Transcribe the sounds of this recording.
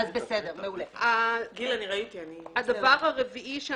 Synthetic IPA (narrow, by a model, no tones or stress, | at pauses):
azbesed̪eʁmeuleaɡilaniʁait̪ianiad̪ɐvaʁhaʁeviʔiʃe